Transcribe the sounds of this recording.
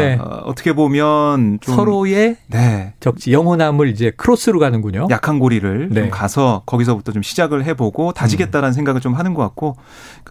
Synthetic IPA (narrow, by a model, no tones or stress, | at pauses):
eʌ̰tʰʌ̥kʰe̞bomjʌnt͡ɕosʰʌɾoe̞ne̞t͡ɕʌk̚t͡ɕ͈ijʌŋɦʌnamɯɾid͡ʑe̞kʰɯɾos͈ʰɯɾuɡanɯnɡuɲojakʰanɡoɾiɾɯɭnemkasʰʌkʌɡis̬ʰʌbutʰʌt͡ɕomɕʰid͡ʑaɡɯɭɦe̞boɡotand͡ʑiɡe̞t̚t͈aɾanɯns̬ʰeŋɡaɡɯɭt͡ɕomɦanɯnɡʌk͈at̚k͈o